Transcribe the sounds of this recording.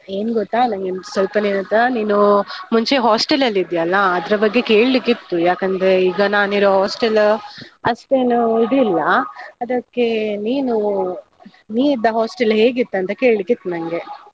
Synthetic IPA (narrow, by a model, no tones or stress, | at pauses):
e̞ːnuɡot̪ːaːnɐŋɡesʋɐlpɐneːnɐt̪ːɐniːnumuɲt͡ʃe̞ɦaːsʈelɐlːid̪ijɐlːɐːd̪ɾɐbɐɡːe̞ke̞ːɭlikːit̪ːujaːkɐnd̪ɾe̞iːɡɐnaːniɾoːɦaːsʈɐlɐsʈenuiɽilːɐɐd̪ɐkːe̞niːnu | niːid̪ːɐɦoːsʈelɦe̞ːɡit̪ːɐnt̪ɐke̞ːɭlikːit̪ːunɐŋɡe̞